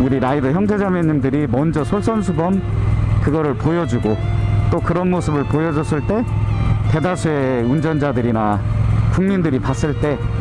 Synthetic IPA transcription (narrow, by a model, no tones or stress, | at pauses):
uɾiɾaidʌçjʌŋd͡ʑed͡ʑamjʌɲimdɯɾimʌnd͡ʑʌsʰoɭs͈ʌnsʰubʌmkɯɡʌɾɯɭpojʌd͡ʑuɡot͈okɯɾʌnmosʰɯbɯɭpojʌd͡ʑʌs͈ɯɭt͈e̞te̞dasʰue̞und͡ʑʌnd͡ʑadɯɾinakuŋmindɯɾipas͈ɯɭt͈e̞